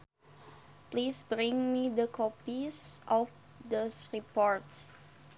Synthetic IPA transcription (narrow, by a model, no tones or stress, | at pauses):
plisbɹĩŋmidəkʰɔpisʔɔf | disɹipɔɹt